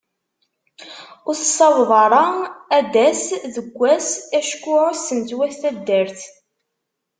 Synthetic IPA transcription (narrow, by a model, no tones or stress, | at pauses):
ʊɾθsˤːɑvðˤɑɾˤɑæd̪æsðəɡʷːæsæʃkːʊʕsənt̪wæst̪æd̪ːəɾθ